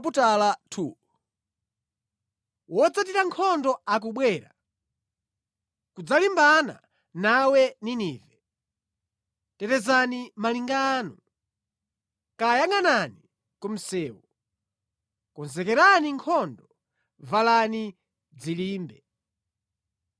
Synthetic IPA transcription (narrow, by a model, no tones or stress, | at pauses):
p̬utalatʰuː | wɔd͡zat̬iɾaŋkʰɔndɔak̬uɓwɛːɾa | kud͡zalimbana̰ | nawɛniniːvɛ | tɛtɛzanimaliŋɡaːnɔ | kajaŋanani | kɔm̩sɛːwɔ | kɔnzɛkɛɾaniŋkʰɔndɔ | valani | d͡ziliːmbɛ